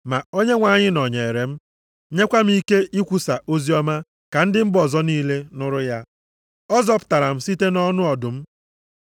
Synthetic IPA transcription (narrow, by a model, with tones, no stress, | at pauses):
ma˨o˦ɲe˦ŋʷa˨ɲɪ˦nɔ˨ɲe˨e˨ɾe˨m̩˦ | ɲe˦kʷa˦m̩˦i˦ke˦ʔi˦kʷu˨sa˨ʔo˦zi˦ɔ˦ma˦ | ka˨n̩˦dɪ˦m̩˦bɔ˨zɔ˦niː˦le˦nʊ˦ɾʊ˦ja˦ | ɔ˦zɔ˦pʊ̥˨ta˨ɾa˨m̩˦si˦te˦nɔ˦nʊ˦ɔ˨dʊ˨m̩˦